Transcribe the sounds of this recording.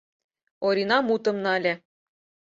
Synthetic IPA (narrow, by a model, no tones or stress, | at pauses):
oɾʲinɑmut̪ɤ̆mnɤ̆ɑlʲĕ